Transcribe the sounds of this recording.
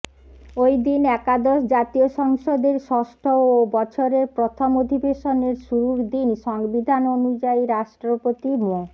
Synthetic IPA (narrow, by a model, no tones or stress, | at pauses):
ojd̪inɛkad̪ɔʃd͡ʑat̪ioʃɔŋʃod̪eɾʃɔʃʈʰoobɔt͡ɕʰoɾeɾpɾot̪ʰomod̪ʱibeʃoneɾʃuɾuɾd̪inʃɔŋbid̪ʱanonud͡ʑaiɾaʃʈɾopot̪imo